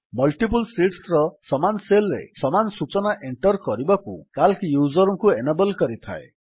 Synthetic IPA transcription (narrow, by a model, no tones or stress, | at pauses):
mɔlʈipulsiʈsɾɔsɔmanɔselɔɾḛsɔmanɔsut͡ʃɔnaʔeɳʈɔɾkɔɾibakṵkalkijud͡ʒɔɾɔŋkuenebɔlkɔɾit̪ʰa̰e